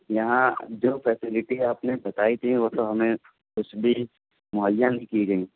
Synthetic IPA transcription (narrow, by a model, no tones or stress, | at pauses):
jɐɦãd͡ʒoːfʰɛːsɪlɪʈiaːpnebɐt̪aːit̪ʰiʋot̪oɦɐmẽ | kʊt͡ʃʰbʱi | mʊɦəjːãnɦĩkiɡɐĩ